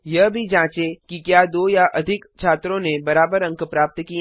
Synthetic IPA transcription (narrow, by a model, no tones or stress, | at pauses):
jɐɦbʱid͡ʒãːt͡ʃekikjaːd̪oːjaʔɐd̪ʱɪkt͡ʃʰaːt̪ɾõnebɐɾaːbəɾɐ̃ŋkpɾaːp̚t̪kiẽ